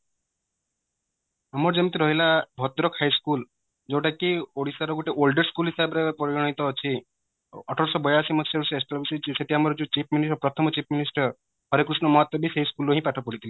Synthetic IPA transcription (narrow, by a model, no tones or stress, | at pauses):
amɔɾd͡ʒemɔt̪iɾɔɦilabʱɔt̪ɾɔkʰajskul | d͡ʒewʈakioɽisaɾɔɡuʈeʔolɖɔɾskulɦisabɔɾepɔɾiɾɔɽ̃it̪ɔːt͡ʃʰi | ɔʈʰɔɾsɔbɔjasimɔt̪seɾuseesʈɔɾbsit͡ʃiseʈʰiamɔɾɔd͡ʒut͡ʃipʰminisɔpɾɔt̪ʰɔmɔt͡ʃipʰminisʈɔɾ | ɦɔɾekɾusnɔmɔɦɔt̪wɔbiseɦiskuloɦĩpaʈʰɔpɔɽit̪ʰili